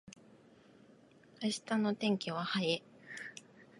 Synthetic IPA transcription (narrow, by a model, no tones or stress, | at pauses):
kaɕi̥t̪ano̞t̪ẽ̞ŋkʲeβahae